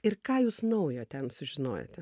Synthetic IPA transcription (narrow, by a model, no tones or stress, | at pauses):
ɪrkɑːjuːsnɐʊjoːt̪ʲɛnsʊʒʲɪno̰ːjo̰t̪ʲɛ